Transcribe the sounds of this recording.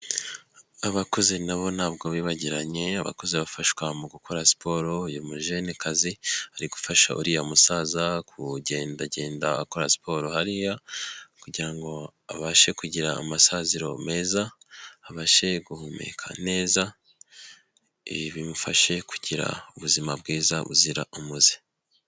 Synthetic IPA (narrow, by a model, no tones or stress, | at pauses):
aβako̞zenaβo̞naːbɡo̞βiːβaɟiɾaɲe̞aβa̰ko̞zeβafaʃwamuɡukʰo̞ɾasi̥pʰo̞ɾoujomuʒenikazihaɾiɡufaʃa̰ʔṵɾijamusazakʰuɟe̞ːndaɟe̞ːnda̰ːkoɾasi̥pʰo̞ɾohaɾijakuɟiɾaŋɡo̞aβaʃe̞kuɟiɾa̰ːmasaziɾo̞me̞ːzaaβaʃe̞ɡuhumḛkʰa̰ne̞ːza | iβimufaʃe̞kʰu̥ɟiɾa̰uβuzimabɡiːzaβṵziɾa̰ʔumuzi̥